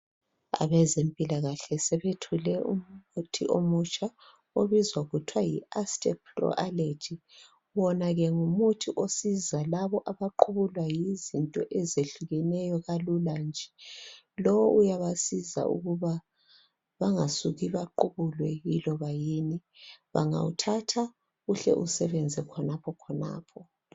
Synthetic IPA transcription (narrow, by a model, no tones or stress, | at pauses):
a̰βɛzempʼilaɣaɬɛsɛβetʰulɛṵm̩utʰḭʔomut͡ʃʼa | oβizwaɣutʰwajḭastʼɛp̚ʰrɔ̰ʔaled͡ʒi | βɔnaɣɛŋumutʰiʔosizalaβɔʔaβaǃʰuβulwajizintʼɔʔɛzeɬuɣɛnɛjɔɣaluland͡ʒʱɛ | lɔwʔujaβasiza̰ṵɣuβa | βaŋasuɣiβaǃuβulwɛjilɔβajiːniβa̰ŋa̰wṵtʰatʰa | ɣuɬɛ̰ʔusɛβɛnd͡zʱɛkʰɔnapʰɔkʰɔna̰ːpʰɔ